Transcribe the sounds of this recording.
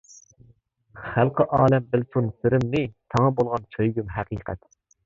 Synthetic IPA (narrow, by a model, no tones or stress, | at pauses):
χælˠqʰəʔɑːlɛmbɪlt̪ʰunsyɾɪmnɪt̪ʰɑŋəbolˠʁɑnt͡ʃʰøjɡʲymɦæqʰiːqʰɛ̰t̪